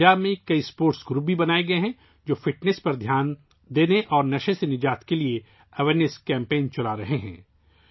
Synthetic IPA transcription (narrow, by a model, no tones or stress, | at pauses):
aːbmẽkɐispoːɾʈsɡɾuːb̚bʱibɐnaːeɡɐeɦɛ̃ | d͡ʒoːfɪʈnɛspɐɾd̪ʱjaːn | d̪eːneʔɔːɾnɐʃẽsenɪd͡ʒaːt̪kelie | ɐʋeɾneskɛ̃ːmpẽːnt͡ʃɐlaɾɐɦeɦɛ̰̃ː